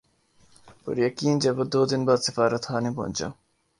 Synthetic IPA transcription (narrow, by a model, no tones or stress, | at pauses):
pʊ̰ɾjɐkiːnd͡ʒɐbɐd̪oːd̪inbaːd̪sɪfaːɾɐt̪haːnibo̰nt͡ʃɐ̰